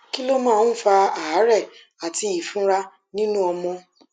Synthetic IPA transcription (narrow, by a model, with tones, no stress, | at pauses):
ki˦lo˦mãː˦˨˦n̩˦fa˧a˨˦ɾɛ˦˨ | a˨ti˧i˦˨fũ˦ɾa˧ | nĩ˦nũ˦ɔ˧mɔ̃˧